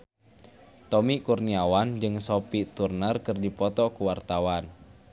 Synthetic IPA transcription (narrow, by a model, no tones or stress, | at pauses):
t̪ɔmikurniawand͡ʒɨŋsopit̪urnərkɨrdipɔt̪ɔkuwart̪awan